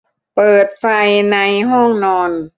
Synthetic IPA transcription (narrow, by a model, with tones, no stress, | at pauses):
pɤː˨˩t̪̚fa˧jna˧jɦɔ˥˩ŋnɔː˧n